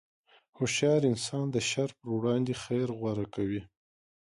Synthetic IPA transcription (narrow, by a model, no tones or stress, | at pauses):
hʊʃjɑɾɪnsɑnd̪əʃaɾpəɾwɽɑnd̪exajɾɣwaɾakawi